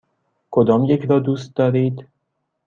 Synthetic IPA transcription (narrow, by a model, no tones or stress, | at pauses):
kʰod̪ɒːmjecʰɾɒːd̪uːst̪̚d̪ɒːɾiːd̪